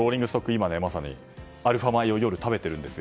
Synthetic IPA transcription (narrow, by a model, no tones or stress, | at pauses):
o̞ːɾʲĩŋɡɯsɨ̥t̪okːɯ̟imane̞masaɲ̟ḭ | aɾɯ̟ɸamaio̞jo̞ɾɯ̟t̪abe̞t̪e̞ɾɯ̟̃nd̪esɨjo